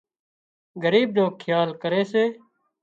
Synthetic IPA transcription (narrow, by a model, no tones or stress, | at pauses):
ɡəɾiːb̚nõːkʰjaːlkəɾeːseː